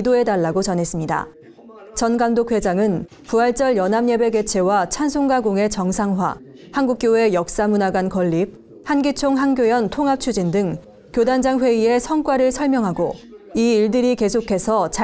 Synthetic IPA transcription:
doe̞daɭːaɡot͡ɕʌnɦe̞s͈ɯmɲida̰ | t͡ɕʌnɡaŋdokʰwe̞d͡ʑaŋɯn | puaɭt͡ɕ͈ʌɭjʌnɦamɲe̞be̞ɡe̞t͡ɕʰe̞wat͡ɕʰansʰoŋɡaɡoŋe̞t͡ɕʌŋsʰaŋɦwa̰ | hanɡuk̚k͈joe̞jʌk̚s͈amunaɡankʌʎːip̚ | hanɡit͡ɕʰoŋɦanɡjojʌntʰoŋɦap̚t͡ɕʰud͡ʑindɯŋ | kjodand͡ʑaŋɸwe̞ie̞sʰʌŋk͈waɾɯɭsʰʌɭmjʌŋɦaɡoiiɭdɯɾike̞sʰokʰe̞sʰʌt͡ɕa

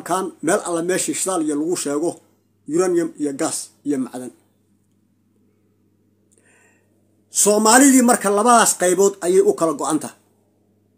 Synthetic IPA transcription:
mkʰaːnmɛːlʔɐlːɐmɛːʃiːʃɪðaːlɪjɐlɐɣʊʃɛːɣɔ | jʊɾɐnjɐmijɔɡaːs | ijɔmɑ̰ʕðɐn | sɔːmaːlɪðiːmɐrkʰɐlɐβɐðaːsqɑjβɔːd̪ɐjɛjʊkʰɐlɐɡɔʔɑnt̪ʰɐ

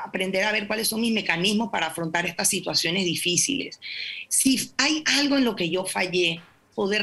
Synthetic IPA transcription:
apɾe̞nd̪e̞ɾaβ̞e̞ɾkwalesːo̞ŋmizme̞kanizmo̞spaɾaːfɾo̞nt̪aɾe̞st̪asːit̪wasjo̞ne̞zðifisḭle̞̰sː | iajalɣo̞e̞nlo̞ke̞ʝo̞faʝe̞ | poðe

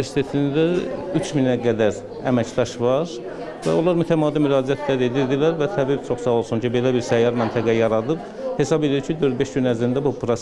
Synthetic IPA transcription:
eɾsi̥t̪ʰe̞t̪ʰind̪æyt͡ʃʰminæɡæd̪æɾ | æmæcd̪ɑʃvɑɾ | væ̰o̞lˠɑɾmyt̪ʰæmɑːd̪imyɾɑːd͡ʒijæt̪ʰlæd̪ed̪iɾd̪ilæɾvæt̪ʰæbibt͡ʃʰo̞χsɑo̞lˠsuncʰibe̞læbiɾsæjɑɾmænt̪ʰæɡæjɑɾɑd̪ɯb | he̞sɑbe̞d̪iɾcʰid̪øɾd̪̚be̞ʃɟynæzɾind̪æbupʰɾos

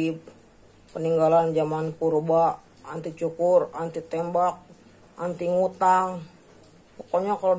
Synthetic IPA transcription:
pː | əniŋɡaland͡ʒamanpuɾba | ant̪it͡ʃukʊrant̪it̪ɛmbak̚ | ʔant̪iŋut̪aŋ | pokoɲakalo

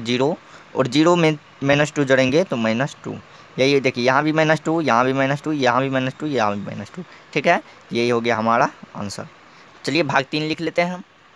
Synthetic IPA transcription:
d͡ʒiːɾoɔ̰ːɾd͡ʒiːɾomẽ | mɛɦnəsʈud͡ʒɐɽẽːŋɡet̪omɐɦɪnəsʈṵ | jɐɦid̪eːkʰiejɐɦãbʱimɐɦnəsʈujɐɦãbʱimɐɦnəsʈujɐɦãbʱimɛnəsʈujɐɦãbʱimɐ̰ɦɪnəsʈu | ʈʰiːkɦɛː | jɐɦiɦoɡɐjaɦɐmaːɾaə̰̃nsə̰ɾ | t͡ʃɐliebʱaːɡt̪iːnlɪkʰleːt̪eɦɛ̃ɦɐm

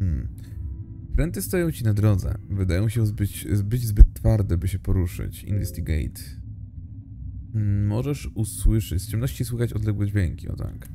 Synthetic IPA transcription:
pɾɛnt̪ɘst̪ajɔ̃w̃t͡ɕinad̪ɾɔd̪zɛ̰vɘd̪ajɔ̃w̃ɕɛzbɘt͡ɕbɘd͡ʑzbɘt̪ːfaɾd̪ɛbɘɕɛpɔɾuʂɘ̰t͡ɕḭnvɛst̪iɡɛ̰jt̪ | mɔʐɛʂuswɘʂɘt͡ɕst͡ɕɛmnɔɕt͡ɕiswuxat͡ɕɔd̪lɛɡwɛd͡ʑvʲjɛŋkʲiʔɔ̰t̪a̰k

